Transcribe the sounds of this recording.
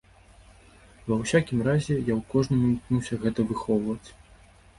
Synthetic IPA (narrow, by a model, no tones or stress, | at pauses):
vɐwsʲakʲimrazʲɛjawkɔʐnɨmuknuwsʲɐɣɛt̪ɐvɨxɔwvɐt͡sʲ